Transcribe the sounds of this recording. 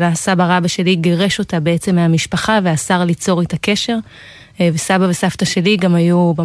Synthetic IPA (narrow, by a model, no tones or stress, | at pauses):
asabaʁabaʃe̞liɡeʁe̞ʃo̞tabeet͡se̞meamiʃpaχaveasaʁlit͡so̞ʁetake̞ʃe̞ʁ | vesabavesaftaʃe̞liɡamajuba